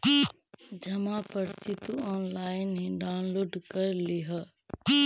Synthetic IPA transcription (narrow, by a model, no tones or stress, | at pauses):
d͡ʒɐmapəɾt͡ʃɪt̪uɔːnlaːɪnɦẽɖaːʊnloːɖkəɾliɦə